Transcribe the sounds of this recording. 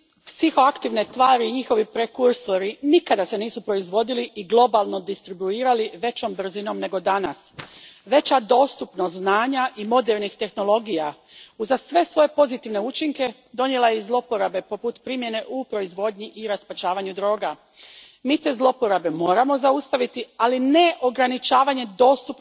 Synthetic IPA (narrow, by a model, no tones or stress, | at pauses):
psixo̞akt̪iʋnet̪ʋaːɾiːɲixo̞ʋipɾe̞kuɾso̞ɾinikad̪ase̞niːsupɾo̞izʋo̞d̪iliʔiɡlˠo̞balˠno̞d̪ist̪ɾibuiːɾaliʋe̞t͡ɕo̞mbr̩zino̞mne̞ɡo̞d̪anasʋe̞t͡ɕad̪o̞ːst̪upnoznaːɲaʔimo̞d̪eɾnixt̪e̞xno̞lˠo̞ɡija | uzasʋe̞sʋo̞je̞po̞zit̪iʋne̞ut͡ʃiŋke̞ | d̪o̞nje̞lajezlˠo̞po̞ɾabe̞po̞put̪pɾimje̞ne̞ʔupɾo̞izʋo̞d̪ɲiʔiɾaspat͡ɕaːʋaɲud̪ɾo̞ːɡa | miːt̪e̞zlˠo̞po̞ɾabe̞mo̞ːɾamo̞zaust̪aʋit̪ialine̞ʔo̞ɡɾanit͡ʃaːʋaɲe̞d̪o̞ːst̪up